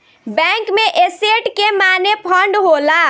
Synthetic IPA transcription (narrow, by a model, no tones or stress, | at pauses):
bɛ̃ŋkmeʔeseʈkemanepʰəɳɖɦola